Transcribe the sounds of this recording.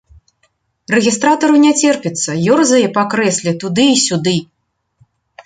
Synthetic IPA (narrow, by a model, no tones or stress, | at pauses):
rɛɣʲist̪ɾat̪ɐɾɐwnʲɛt͡sʲɛrpʲit̪sːɐjɔrzɐjɛpakɾɛsʲlʲit̪ud̪ɨisʲud̪ɨ